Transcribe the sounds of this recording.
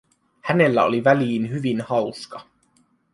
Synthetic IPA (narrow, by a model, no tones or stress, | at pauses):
hæne̞lːæo̰liʋæliːnɦyʋinhɑwskɑ